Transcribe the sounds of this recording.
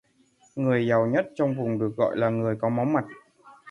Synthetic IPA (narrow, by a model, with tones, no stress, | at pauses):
ŋɨ˨˩əjza˨˩wɲə˦˥t̚t͡ɕɔ˧wŋ͡mvʊ˨˩ŋ͡mɗɨ˨˩ək̚ɣɔ̰˧˨jlaː˨˩ŋɨ˨˩əjkɔ˨˦mɔ˨˦wŋ͡mma˨˩t̚